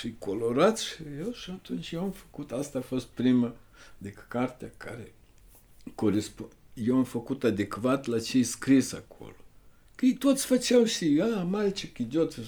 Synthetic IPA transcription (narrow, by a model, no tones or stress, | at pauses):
fijkʰo̞lo̞ɾat̪sʃijewʃiat̪unt͡ʃjewamfə̥kut̪ast̪aːfo̞st̪̚pɾimə | d̪ekkart̪eakʰa̰ɾe | koɾespu | jewamfəkut̪ad̪e̞kvat̪lat͡ʃejskɾisakʰo̰lo | kəjt̪ot̪sʲfət͡ʃawʃiamalʲt͡ʃekid̪ʲot̪